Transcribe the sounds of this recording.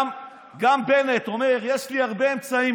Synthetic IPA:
ɡambeneto̞meʁjeʃliaʁbe̞ːmt͡saim

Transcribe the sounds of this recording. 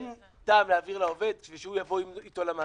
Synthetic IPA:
n | taːmleaːviʁlao̞ve̞d̪kviʃehujavo̞iit̪o̞lama

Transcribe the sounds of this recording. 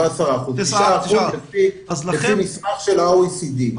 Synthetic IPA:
asaʁaːχuzaːχuzlefilefimismaχʃelasid̪i

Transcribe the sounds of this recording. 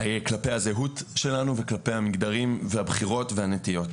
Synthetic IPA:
hajeklape̞jhazeɦutʃe̞lanuveklape̞jhamiɡd̪aʁimveabχiʁo̞tveanetijo̞t

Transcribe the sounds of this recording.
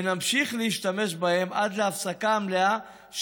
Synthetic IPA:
namʃiχleiʃt̪ame̞ʃbahe̞mʔad̪leafsakaːmlea | ʃ

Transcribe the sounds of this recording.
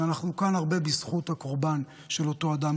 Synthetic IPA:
anaχnukanaʁbe̞bisχut̪hako̞ʁban | ʃe̞lo̞to̞ad̪am

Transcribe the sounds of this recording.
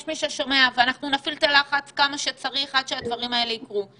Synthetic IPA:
jʃmiʃeʃome̞aveanaχnunafilt̪elaχat͡skamaʃet͡saʁiχad̪ʃead̪vaʁimaeleikʁu

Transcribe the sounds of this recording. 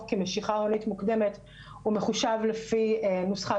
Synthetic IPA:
kimeʃiχaonitmukd̪e̞met | umeχuʃavlefinusχa

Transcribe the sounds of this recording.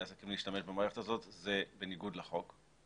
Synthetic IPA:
aːsakimleiʃtame̞ʃbemaːʁe̞χetazo̞tze̞be̞niɡud̪leχo̞k

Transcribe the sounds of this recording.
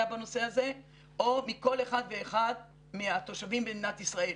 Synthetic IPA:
abano̞se̞haze̞ | o̞miko̞leχad̪ve̞ːχad̪ | miat̪o̞ʃavimbenat̪isʁael

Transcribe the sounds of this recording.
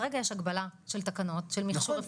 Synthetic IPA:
ʁeɡajeʃaɡbalaʃeltakano̞tʃelmiχʃoʁef

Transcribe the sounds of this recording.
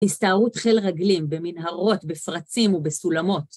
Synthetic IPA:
istaːʁutχe̞lʁaɡlimbeminɦaʁo̞tbefʁat͡simubesulamo̞t

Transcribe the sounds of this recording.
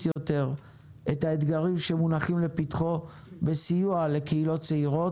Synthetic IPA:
jote̞ʁ | ʔetaet̪ɡaʁimʃemunaχimlepitχo̞ | besijuale̞keilo̞tt͡seiʁo̞

